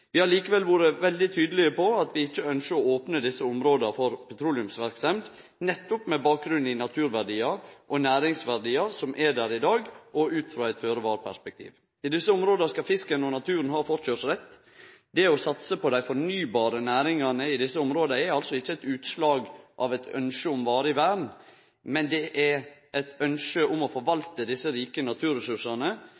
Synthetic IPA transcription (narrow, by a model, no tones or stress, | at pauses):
ʋɪhɑɾɭiːkəʋɛlʋuːɾəʋɛld̪ɪt̪ʰyːd̪əlɪəpɔɑt̪ʋɪɪçːəœnʃəɾɔoːpnəd̪ɪsːəʊmɾoːd̪əfɔɾpʰɛt̪ʰɾuːlɪʉmsʋæɾksɛmd̪ | nɛt̪ːʊpmɛbɑːk̚ɡɾʉnɪnɑt̪ʰʉːɾʋæɾɖiːɑɾʔɔnæːɾɪŋsʋæɾɖiːəɾsɔmʔɛd̪æɾɪd̪ɑːɡʔɔʉːt̪fɾɑːæɪt̪føːɾəʋɑːɾəpʰæ̰ʂspɛk̚t̪ʰḭːʋ | ɪd̪ɪsːəʊmɾoːd̪ɑskɑfɪskənɔnɑt̪ʰʉːɾənɦɑːfɔt͡ʃøsɾɛt̪ː | d̪ɛɔsɑt̪səpɔd̪æɪfɔɾnyːbɑːɾənæːɾɪŋɑnəɪd̪ɪsːəʊmɾoːd̪əɛɾɑlsɔɪçːəɛt̪ʉːt̪slɑːɡʔɑʋɛɪt̪ʰœ̰nʂəʊmʋɑːɾəɪʋæːɖn̩ | mɛnd̪ɛʔɛɾʔɛt̪œnʂəʔʊmɔfɔɾʋɑlt̪əd̪ɪsːəɾiːkənɑt̪ʰʉːɾɛsʉʂɑnə